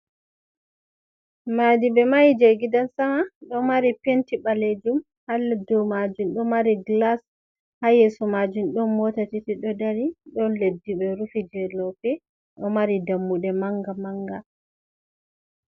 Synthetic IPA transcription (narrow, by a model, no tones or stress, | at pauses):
madiɓɛmajd͡ʒeɡidansamaɗɔmaɾipentiɓaled͡ʒum | halːadɔmad͡ʒumɗɔmaɾiɡlas | hajɛsɔmad͡ʒumɗɔnmɔtatitiɗɔdaɾiɗɔnledːiɓɛɾufid͡ʒɛlɔpɛ | ɗɔmaɾidamːuɗɛmaŋɡamaŋɡa